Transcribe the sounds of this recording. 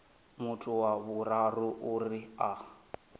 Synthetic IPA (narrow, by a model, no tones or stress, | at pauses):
mutʰuwaβuɾaruʔuria